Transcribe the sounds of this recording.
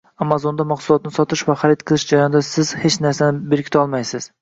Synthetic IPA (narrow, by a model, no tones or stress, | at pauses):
amazond̪amɑqsʊlˠɒt̪nɪsɒt̪ʰɪʃvaχaɾɪt̪qʰɨlˠɪʃd͡ʒaɾjɒnd̪asɪzhet͡ʃnaɾsanɪbeɾkʲɪ̥t̪ʰɒlˠmajsɪz̥